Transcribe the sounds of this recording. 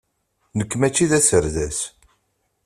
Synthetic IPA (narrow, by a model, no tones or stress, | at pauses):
nəkːmæt͡ʃːiðæsəɾðæs